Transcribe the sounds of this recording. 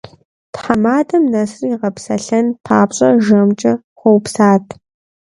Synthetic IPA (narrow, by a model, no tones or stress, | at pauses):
tħamaːdɐmnɐsriːʁɐpsɐ̰ɬɐntʰa̰ːpɕʼɐʒɐmt͡ʃʼɐ | χʷowpsaːtʰ